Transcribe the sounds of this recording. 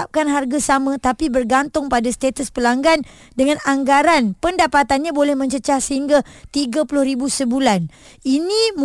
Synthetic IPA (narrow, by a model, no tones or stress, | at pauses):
ap̚kanɦarɡasamə̃t̪apibərɡant̪ʊŋpadast̪et̪əspəlaŋɡan | dəŋãnaŋɡaɾanpəndapat̪anɲãbolɛhmə̃ɲt͡ʃət͡ʃahsəɦiŋɡat̪iɡapulʊhɾibusəbulan | inĩm